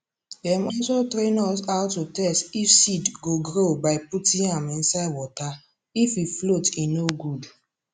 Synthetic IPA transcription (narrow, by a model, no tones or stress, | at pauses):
dɛmɔsotɾenɔs̬aʊtːutɛstifsidɡoɡɾobaɪputĩamn̩saɪwɔta | ififlotinoɡud